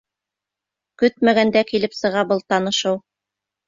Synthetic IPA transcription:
kɵt̪mæɡænd̪ækilɘpsɤ̆ʁɑbɤlˠt̪ɑnɤ̆ʃɤw

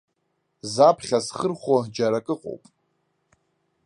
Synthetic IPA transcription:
zapʰχʲasχərχʷad͡ʒaɾakʼɨqʼo̰wpʼ

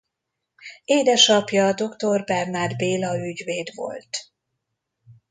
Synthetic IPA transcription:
eːd̪ɛʃɒpjɒd̪o̞kt̪o̞rbɛrnaːd̪beːlɒyɟveːd̪vo̞̰lt̪

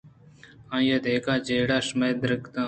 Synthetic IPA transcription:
ãːjaːd̪eːkãːd͡ʒeːɽaːʃmeːd̪ɾəkt̪ãː

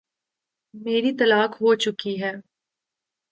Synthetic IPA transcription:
meːɾit̪ɐlaːkɦoːt͡ʃʊkiɦɛː

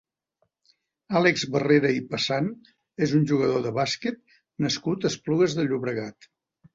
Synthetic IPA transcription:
alekzβəreɾəipəsan | ezunʲʒuɣəðoðəβasket̪̚ | nəskut̪əspluɣəzðəʎuβɾəɣat̪

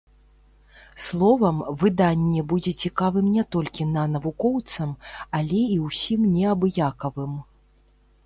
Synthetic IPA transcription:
slˠɔvɐmvɨd̪anʲːɛbud͡zʲɛt͡sʲikavɨmnʲɛt̪ɔlʲkʲinɐnɐvukɔwt̪sɐmalʲɛiwsʲimnʲɛabjakɐvɨm

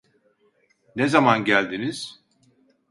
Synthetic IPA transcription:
nezamanɟælʲd̪iniz̥

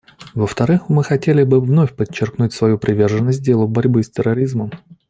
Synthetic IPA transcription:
vəft̪ɐɾɨxmɨxɐtʲelʲɪbɨvno̞fʲpət͡ɕːɪrknutʲsvɐjupɾʲʔɪvʲe̞rʐənːəs̬ʲt̚dʲe̞lˠʊbɐɾʲbɨsʲtʲɪrːɐɾʲizməm

